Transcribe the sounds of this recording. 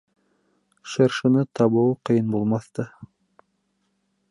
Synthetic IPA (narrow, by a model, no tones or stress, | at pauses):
ʃɑɾʃɤ̆nɤt̪ʰɑβɤwqɤ̆jɤnbulˠmɑθt̪ɤ